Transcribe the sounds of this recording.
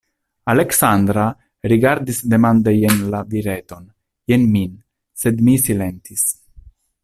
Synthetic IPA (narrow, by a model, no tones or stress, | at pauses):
aleksand̪ɾa | ɾiɡaɾd̪isd̪e̞mand̪ejenlaviɾet̪o̞n | jenmin | sed̪misilent̪is